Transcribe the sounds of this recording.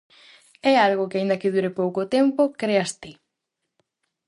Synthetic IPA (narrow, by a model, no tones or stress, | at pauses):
ɛalɣokeaind̪ɐkɪðuɾepowkot̪ɛmpokɾeast̪i